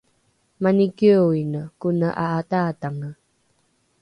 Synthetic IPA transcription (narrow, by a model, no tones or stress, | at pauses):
manikioinəkunəʔaːtataŋə